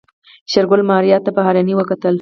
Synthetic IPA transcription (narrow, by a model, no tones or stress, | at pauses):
ʃaɾɡʊlmɑɾjɑt̪ːapəɦɑɾaniwəkat̪əl